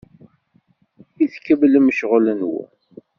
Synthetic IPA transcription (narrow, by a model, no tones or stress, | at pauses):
iθkːəbləmʃʁlənwṵ